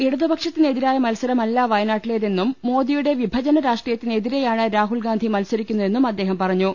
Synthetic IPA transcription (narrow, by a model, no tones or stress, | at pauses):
eɽuðɐbɐkʂɐt̪ːine̞ðiɾaːjɐmɐlsɐɾɐmɐlːaːʋɐjɐnaːʈːile̞ːðe̞nːumːo̞ːðijuɽe̞ʋibʱɐd͡ʑɐnɐɾaːʂʈrijɐt̪ːine̞ðiɾe̞jaːɳɨɾaːɦulɡaːnd̪ʱimɐlsɐɾikʲːunːue̞nːumɐd̪ːe̞ːɦɐmpɐrɐɲːu